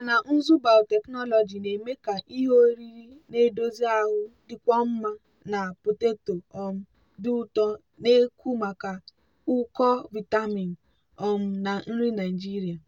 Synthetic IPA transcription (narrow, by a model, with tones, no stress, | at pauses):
a˨na˨n̩˦zu˦ba˨ʊ˨te˨knɔ˦lɔ˨d͡ʒi˨ne˨me˦ka˨ʔi˦ɦo˦ɾi˦ɾi˦ne˨˦do˦zi˦a˦ɦʊ˦dɪ˨kʷɔ˦m̩˦ma˦ | na˨pʊ˨te˦to˨ɔ˨m̩˦ | dʊ˦ʊ˦tɔ˦ | ne˦ku˦ma˨ka˨ | ʊ˦kɔ˦vi˨ta˦mi˨n̩˨ | ɔ˨m̩˦na˨n̩˦ɾi˦na˨i˨d͡ʒi˦ɾi˨a˨